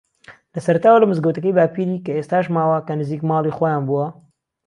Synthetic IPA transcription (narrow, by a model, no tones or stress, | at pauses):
lɐsɐɾɐt̪aːwɐlɐmɨzɡɐwt̪ɐkəjbaːpiɾiːkɐeːst̪aːʃmaːwakɐnɨziːkmaːlˠixojaːnbuwɐ